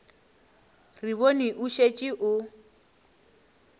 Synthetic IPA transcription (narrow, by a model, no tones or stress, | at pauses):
riβoniʔuʃet͡ʃʼɪʔʊ